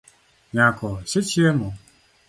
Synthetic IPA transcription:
ɲãkɔset͡ʃiemɔ

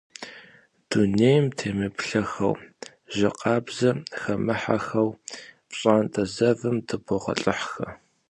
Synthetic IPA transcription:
d̥uneːjmtʰeːmɨpɬɐxɐ̰w | ʒɪqʼɑːbzɐxɐmɨħa̰xɐwpɕʼaːntʼɐzɐvɨmdʰɨbɔʁɐ̰ɬʼɨħxɐ

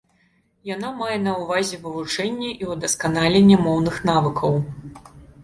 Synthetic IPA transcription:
janamajɛnɐwvazʲɛvɨvut͡ʂɛnʲːɛʔiwd̪ɐskanalʲenʲːɛmɔwnɨxn̪avɨkʰɐw

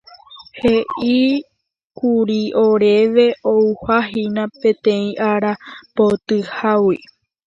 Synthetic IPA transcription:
heʔi | kuɾiʔoɾe̞ʋe̞ʔouhaɦinãpẽ̞t̪ẽ̞ĩʔaɾapot̪ɨhawi

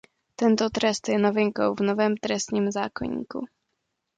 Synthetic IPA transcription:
t̪ɛnt̪ɔt̪ɾɛst̪ɛnavɛŋkɔwvnɔvɛmt̪ɾɛst̪ɲimzakɔ̰ɲḭkṵ

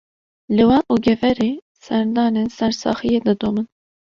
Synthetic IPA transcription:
lɨwɑːnʔuɡʲɛvɛɾeː | sɛɾd̪ɑːnensɛɾsɑ̰ːxijed̪ɨd̪omɨn

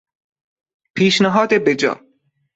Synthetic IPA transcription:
pʰiːʃnæɦɒːd̪ebed͡ʒɒ̰ː

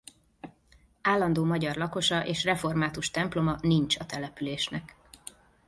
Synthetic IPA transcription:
aːlːɒnd̪oːmɒɟɒrlɒko̞ʃɒʔeːʃrɛfo̞rmaːt̪uʃt̪ɛmplo̞mɒnint͡ʃɒt̪ɛlɛpyleːʃnɛk

